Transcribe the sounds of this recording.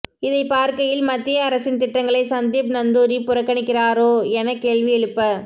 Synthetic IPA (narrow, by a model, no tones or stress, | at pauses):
ɪðɐɪpaːɾkɐjɪlmɐt̪ːɪjɐːɾɐsɪnt̪ɪʈːɐŋɡɐɭɐɪsɐnd̪iːp̚nɐnd̪uːɾipʊɾɐkːɐɳɪkːɪraːɾoːɛnɐkːeːɭʋɪɛɻɯpːɐ